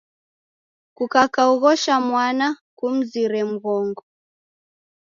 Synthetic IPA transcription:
kukakauɣɔʃamwana | kum̩ziɾɛm̩ɣɔŋɡɔ

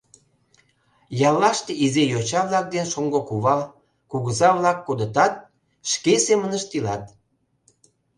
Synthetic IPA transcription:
jɑlːɑʃt̪eizejot͡ɕɑβlɑk̚d̪enʃoŋɡokuβɑ | kuɣəzɑβlɑkːod̪ət̪ɑt̪̚ | ʃkesemənəʃt̪ilɑt̪̚

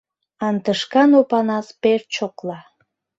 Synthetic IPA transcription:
ɑnt̪əʃkɑnopɑnɑspert͡ɕoklɑ

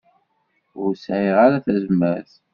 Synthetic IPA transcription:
ʊɾsʕiʁaɾaθæzəməɾθ

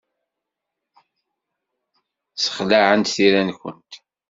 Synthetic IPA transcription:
sə̥χlaʕənt̪θiɾænkʷə̰nt̪

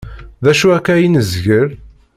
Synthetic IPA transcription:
ðæʃuækːæjinəzʝəɾ

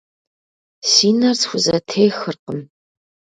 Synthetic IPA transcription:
siːnɐrsxʷʊzɐtʰejxɨrqəm

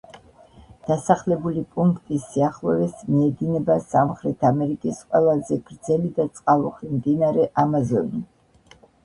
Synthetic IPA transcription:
d̪̥asaχlɛbulipʼuŋkʰt̪ʼisiaχlˠɔvɛsmiɛd̪inɛbasamχɾɛt̪ʰamɛɾikʼisqʼwɛlˠazɛɡ̥ɾd̪zɛlid̪at̪sʼqʼalˠuχɾimd̪inaɾɛʔamazɔni

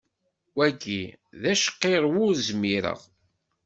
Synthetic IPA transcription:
wæɡiðæʃqːeɾˤwʊɾzmiɾə̰ʁ

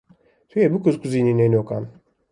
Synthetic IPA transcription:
t̪ʰuebukuzkuzininenokan

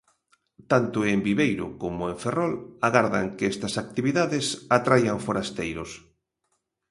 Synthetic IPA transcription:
t̪ant̪ʊembiβejɾʊ̰komʊeɱferɔlaɣaɾða̰ŋkeɛst̪ɐsak̚t̪iβiðaðɪsat̪ɾajaŋfoɾast̪ejɾʊs

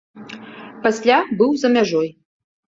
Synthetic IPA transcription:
pasʲlʲabɨwzɐmʲaʐɔj

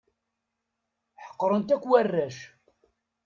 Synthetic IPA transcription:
ħə̥qːɾˤənt̪ækʷːwærːæʃ

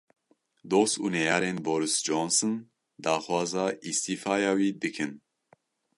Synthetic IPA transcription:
d̪oːsṵnɛjɑːɾeːnboːɾisd͡ʒoːnsɨn | d̪ɑːxwɑːzɑːʔist̪iːfɑːjɑːwiːd̪ɨkʰɨn

